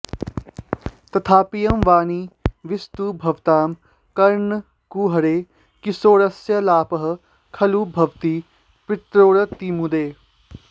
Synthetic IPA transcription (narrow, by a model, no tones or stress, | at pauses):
t̪ɐt̪ʰaːpijɐmʋaːniːʋɪst̪uːbʱɐʋt̪aːm | kɐɾɳ | kuːɦɐɾeː | kisoːɾɐsjɐlaːpɐɦɐ̆ | kʰɐlubʱɐʋt̪iː | pɾɪt̪ɾoːɽɐt̪imud̪eː